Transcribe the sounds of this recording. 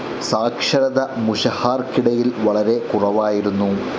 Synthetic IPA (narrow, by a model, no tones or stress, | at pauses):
saːkʂɐɾɐðɐmuɕɐhaːrkiɽɐjilʋɐɭɐɾe̞kurɐʋaːjiɾunːu